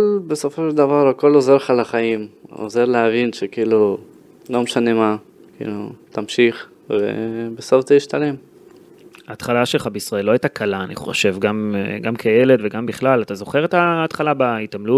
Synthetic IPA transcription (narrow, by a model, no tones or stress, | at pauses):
kolbeso̞fo̞ʃeld̪avaɾako̞lozeʁleχalaχajimo̰ze̞ʁleavinʃekiiːlu | lo̞meʃane̞ma | kḭːlut̪amʃiχ | vḛbesoftaiʃt̪alem | aːt̪χalaʃe̞lχabeisʁaelːo̞ajt̪akʰalaːnḭχo̞̰ʃe̞vɡamɡamkʰeje̞le̞tveɡambiχlalat̪azo̞χe̞ʁet̪aːt̪χalabaitamlut